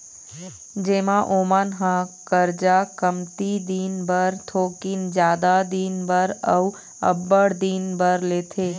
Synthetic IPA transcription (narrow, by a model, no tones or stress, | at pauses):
d͡ʒeːmãʔoːmənɦãkəɾd͡ʒakəmt̪id̪iːnbəɾt̪ʰoːkind͡ʒjaːd̪ad̪iːnbəɾə̰w | ɐ̰bːəɽd̪iːnbəɾleːt̪ʰeː